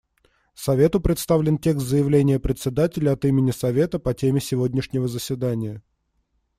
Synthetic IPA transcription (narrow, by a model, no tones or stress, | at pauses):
sɐvʲet̪ʊpɾʲɪt̪st̪avlʲɪntʲe̞kst̪zəjɪvlʲenʲɪjəpɾʲɪt̪sʲɪd̪atʲɪlʲəɐt̪imʲɪnʲɪsɐvʲe̞t̪əpɐtʲemʲɪsʲɪvodʲnʲɪʂnʲɪvəzəsʲvʲɪd̪anʲɪjə